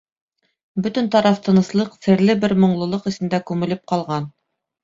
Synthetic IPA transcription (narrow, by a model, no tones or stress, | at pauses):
bɵt̪ɘnt̪ɑɾɑft̪ʰɤ̆nɤ̆slˠɤqsɘ̆ɾlɘbɘɾmŏɴlˠɤ̆lˠɤqɘ̆sɘ̆nd̪ækʉmɘ̆lɘp̚qɑlˠʁɑn